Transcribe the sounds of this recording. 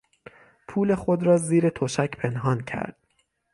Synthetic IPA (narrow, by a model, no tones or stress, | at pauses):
pʰuːle̞xod̪ɾɒːziːɾe̞t̪ʰoʃæcʰpʰenɦɒːncʰæ̰ɾd̪̥̚